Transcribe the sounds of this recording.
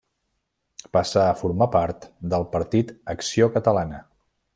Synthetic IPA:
pasaːfuɾmapaɾt̪d̪əlˠpəɾt̪it̪əksiokət̪əlanə

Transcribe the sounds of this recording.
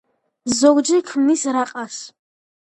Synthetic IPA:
zoɡʷʼd͡ʒɪkʰmnisɾaqʼas

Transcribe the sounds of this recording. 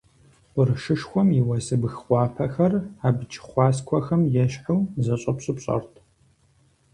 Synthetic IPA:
ʊrɨʂɨʂxʷɔmjɪwɐsɨbɨxχʷɑːpʰɐxɐraːbt͡ʃʰʼɪ̥χʷɑːskʷʰɔxɐmjɛɕħawzɐɕʼɐpɕʼɨpɕʼɐ̰rtʰ

